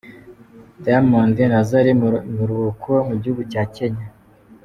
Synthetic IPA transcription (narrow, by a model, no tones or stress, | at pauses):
daamondenazaɾimuɾuβukʰomuɟihuɡucaːce̞ɲa